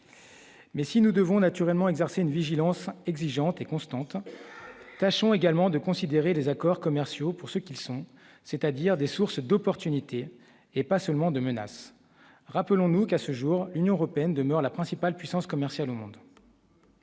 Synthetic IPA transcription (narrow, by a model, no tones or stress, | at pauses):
mɛsinud̪əvɔ̃nat̪yʁɛlmɑ̃ɛɡzɛʁseynviʒilɑ̃sɛɡziʒɑ̃t̪ekɔ̃st̪ɑ̃t̪ | t̪aʃɔ̃eɡalmɑ̃d̪əkɔ̃sid̪eʁelezakɔʁkɔmɛʁsjopuʁsəkʲilsɔ̃ | set̪ad̪iʁd̪esuʁsd̪ɔpɔʁt̪ynit̪ʰeː | pasœlmɑ̃d̪əməna̰s | ʁapəlɔ̃nukasəʒuːʁlynjɔ̃əʁɔpeɛnd̪əmœʁlapχɛ̃sipalpɥisɑ̃skɔmɛʁsjalomɔ̃d̪